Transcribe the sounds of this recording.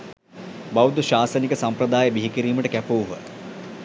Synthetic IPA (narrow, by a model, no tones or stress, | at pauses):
bawd̪uʃaːsɐnikəsampɾɐd̪aːjəbiɦikiɾiːməʈəkæpuːuɦə̰